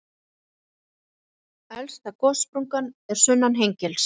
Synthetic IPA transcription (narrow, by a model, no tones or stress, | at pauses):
ɛlst̪akɔspɾuŋkanɛɾ̥sʏnːanɦejɲcɛls